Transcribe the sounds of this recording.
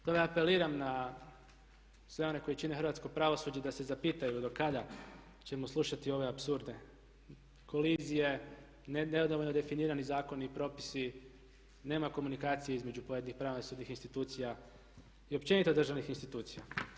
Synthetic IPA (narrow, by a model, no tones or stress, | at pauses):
t̪omeape̞liːɾamna | sʋe̞o̞ne̞ko̞it͡ɕinexɾʋat̪sko̞pɾaʋo̞sud͡ʑed̪ase̞zapiːt̪ajud̪o̞kad̪a | t͡ɕe̞mo̞sluʃat̪io̞ʋe̞apsuɾd̪ne̞ | ko̞lizije̞ | nneod̪oʋo̞ʎnod̪e̞finiːɾanizaːko̞nipɾo̞ːpi̥si | ne̞ːmako̞munikaːt̪sijeizme̞d͡ʑupoje̞d̪nixpɾaʋonasuːd̪nixinst̪it̪uːt̪sija | io̞pt͡ʃe̞nit̪ed̪r̩ʒaʋnixinst̪it̪uːt̪sija̰